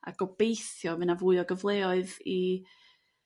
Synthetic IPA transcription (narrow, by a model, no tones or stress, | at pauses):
a̰ɡ̥ɔb̥ejθjɔmɨnavuːɨɔɡəvlˠeɔɨði